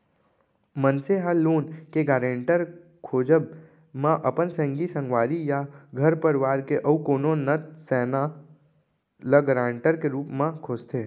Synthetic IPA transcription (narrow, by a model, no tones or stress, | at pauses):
mənseɦalːoːnkeɡaːɾẽɳʈəɾ | kʰoːd͡ʒəb | mãʔəpənsɛ̃ŋɡisə̃ŋɡʋaːɾijaɡʱəɾpəɾɪʋaːɾkeʔəukoːnonət̪sɛːna | ləɡəɾãːɳʈəɾkeɾuːpmãkʰoːst̪ʰeː